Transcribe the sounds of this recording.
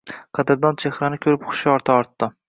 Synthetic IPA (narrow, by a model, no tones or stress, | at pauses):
qʰɑd̪ɪɾd̪ɒnt͡ʃʰehɾanɪkʲʰɵɾɪpχʊ̥ʃɪɒɾt̪ʰaɒɾt̪ːɪ